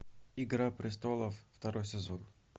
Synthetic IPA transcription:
iɡɾapɾʲɪst̪olˠəfːt̪ɐɾojsʲɪzon

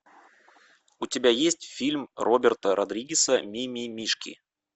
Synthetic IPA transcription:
ʊtʲɪbʲajesʲtʲfʲilʲmrʔobʲɪrt̪əɾʔɐd̪ɾʲiɡʲɪsəmʲimʲimʲiʂkʲḭ

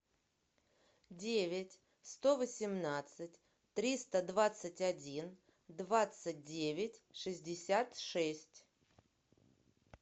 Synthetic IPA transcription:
dʲevʲɪtʲ | st̪ovəsʲɪmnat̪sɨtʲ | t̪ɾʲist̪əd̪vat̪sɨtʲadʲin | d̪vat̪sɨt̚ʲdʲevʲɪtʲʂɨzʲdʲɪsʲat̪ʂɛsʲtʲ

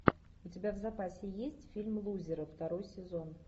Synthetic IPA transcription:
ʊt͡sʲɪbʲavzapasʲɪjesʲt͡sʲfʲilʲmlˠuzʲɪɾəft̪aɾojsʲɪzon

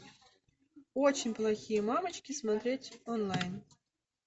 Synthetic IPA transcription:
ot͡ɕɪnʲplˠɐxʲijəmɑmət͡ɕkʲismat̪ɾʲetʲonlˠajn

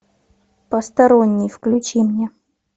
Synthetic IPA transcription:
pəst̪ɐɾonʲːɪjfklʲʊt͡ɕimnʲe

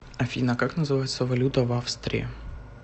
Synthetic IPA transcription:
ɐfʲinɐkaknɐzɨʋɑjet͡sʲːɐʋɐlʲut̪ɐʋɑfst̪ɾʲḭḭ

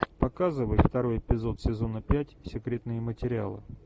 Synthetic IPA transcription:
pɐkazɨvəjft̪ɐɾo̞jɪpʲɪzo̞t̪sʲɪzo̞nəpʲætʲsʲɪkɾʲe̞t̪nɨjəmətʲɪɾʲɪa̰lˠɨ̰

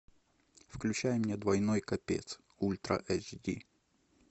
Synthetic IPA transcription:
fklʲʉt͡ɕæjmnʲed̪vɐjnojkɐpʲḛt̪s | ulʲt̪ɾə̰ʔɛzdʲḭ

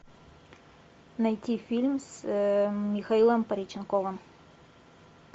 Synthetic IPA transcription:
nɐjt̪ʲifʲilʲms | mʲixɐilˠəmpɐɾʲit͡ɕɪnkovə̆m

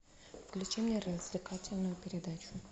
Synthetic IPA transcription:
fklʲut͡ʃimnʲɛɾəzʲvlʲɪkatʲɪlʲnʊjʊpʲɪɾʲɪd̪at͡ʃʰʊ

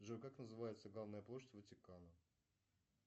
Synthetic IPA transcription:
ʐɨkaknəzɨvajɪt̪səɡlˠavnəjəplˠoɕɪtʲvətʲɪkanə

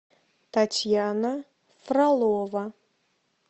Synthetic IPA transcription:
t̪ʰatʲʰjana | fralˠova

